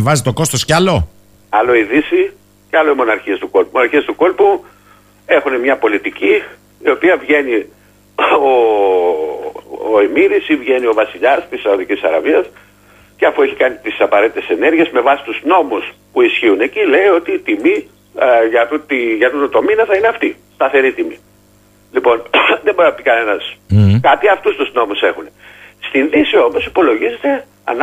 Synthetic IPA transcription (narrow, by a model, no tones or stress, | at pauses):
vɐzit̪o̞ko̞st̪o̞scɐlo̞ | ɐlo̞iðisi | ceɐlo̞imo̞nɐɾçiest̪uko̞lpmonɐɾçiest̪uko̞lpu | e̞xune̞mɲɐpo̞lit̪ici | io̞piɐvʝe̞ni | o | imiðisivʝe̞nio̞vɐsiʎɐst̪isːɐuðicisɐɾɐviɐs | ce̞ɐfue̞çikɐnit̪isɐpɐɾe̞t̪it̪e̞se̞ne̞ɾʝie̞zme̞vɐsi̥t̪uzno̞muspuisçiune̞cile̞io̞t̪iːt̪imi | ʝɐt̪ut̪iʝɐt̪ut̪ot̪o̞minɐθɐineɐft̪i | st̪ɐθe̞ɾit̪imḭ | lipo̞nðembo̞ɾinɐpikɐne̞nɐskɐt̪iɐft̪ust̪uzno̞muse̞xunest̪inðisio̞mo̞sipo̞lo̞ʝize̞t̪e̞ | ɐ̰n